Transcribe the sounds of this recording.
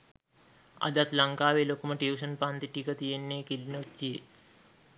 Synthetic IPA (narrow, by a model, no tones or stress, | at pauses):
a̰d̪at̪laŋkaːʋelokuməʈeuʃənpaːnt̪iʈikət̪ijenːeːkilnot͡ʃːije